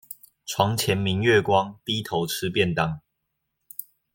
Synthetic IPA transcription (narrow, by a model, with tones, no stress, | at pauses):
ʈ͡ʂʰwɑ˨˦ŋt͡ɕʰjɛ˨˦nmi˨˦ŋɥɛ˥˨kwɑ˦ŋt̪i˦t̪ʰo˨˦ʊʈ͡ʂ̩ʰ˦pjɛ˥˨nt̪a˥˩ŋ